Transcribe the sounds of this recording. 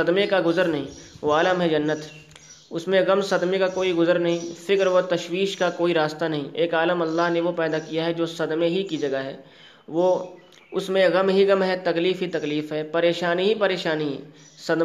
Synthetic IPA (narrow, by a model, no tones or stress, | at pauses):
ɐd̪mekaɡʊzəɾnɐɦĩːʋoaːləmɦɛd͡ʒɐnːət̪ | ʊsmẽɣɐmsɐd̪mekakoːiɡʊzəɾnɐɦĩfɪkɾʋot̪ɐʃwiːʃkakoːiɾaːst̪anɐɦĩʔeːkaːləmɐlːaːɦneʋopɛːd̪akijaɦɛd͡ʒoːsɐd̪meɦikid͡ʒɐɡaɦɛː | ʋo | ʊsmẽɣɐmɦiɣɐmɦɛt̪ɐkliːfɦit̪ɐkliːfɦɛpɐɾeːʃaːniɦipɐɾeːʃaːniɦɛ̰ː | sɐd̪